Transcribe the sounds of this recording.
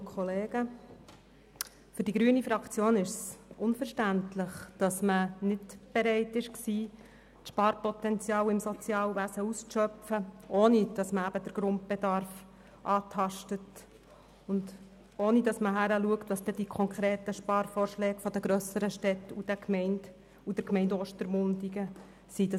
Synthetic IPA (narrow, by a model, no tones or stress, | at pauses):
kʰχɔleːɡ̥ə | fʏɾdiɡɾyənifɾɑkt͡sjoːnɪʃsʊnfəʃtæntlɪχd̥ɑsmənɪdb̥eɾɛɪtɪʃksiː | tʃpɑːɾpɔt̪ɛnt͡sjɑːwɪmsɔt͡sjɑːlʋæsəusʃœpfəʔoːnid̥ɑsməæb̥əd̥əɾɡ̥ɾʊnt̚b̥ed̪ɑɾf | ʔɑːt̪ʰɑʃtət | ʊnd | oːnidɑsməɦæɾəluəkt̪ʋɑst̪ɛd̥ikʰɔŋkχʁɾɛːt̪əʃpɑːɾfɔːɾʃlɛːɡfɔd̪əɡɾœsəɾəʃtɛtud̥əkmɛɪnd | ud̥əɾkmɛɪndɔːʃtəɾmʊndiɡə | sidɑ